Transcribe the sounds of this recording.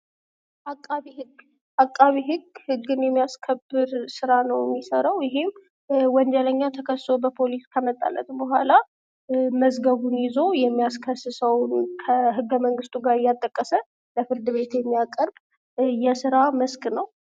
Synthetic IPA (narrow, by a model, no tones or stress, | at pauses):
ʔakʼːaβihɨɡ | ʔakʼːaβiɦɨɡhɨɡːɨnjɛmːijaskʰəbːɨɾsɨɾanəwjɛmːisəɾəwjɪɦem | wɔnd͡ʒɛləɲːat̪ʰəkʰəsso̞bəpʰo̞liskʰəmət̪ʼːa̰lːə̰t̪bəɦʷala | məzɡəβunjɪzo̞jɛmːijaskʰəsɨsəwnkʰəɦɨɡːəməŋɡɨst̪ʼuɡaɾɨjːat̪ʼːəkʼːəsə | ləfɨɾd̪ɨβe̞t̪jɛmːijakʼəɾb | jɛsɨɾaməskʼnəw